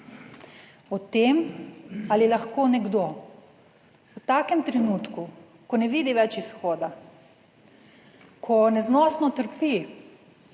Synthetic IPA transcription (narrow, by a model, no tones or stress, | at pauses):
ɔt̪eːm | alilaxkoːnɛɡd̪o | ut̪aːkɛmt̪ɾɛnuːt̪ku | kɔnɛʋiːd̪iʋɛt͡ʃisxɔːd̪a | kʰɔnɛznɔsnɔt̪əɾpi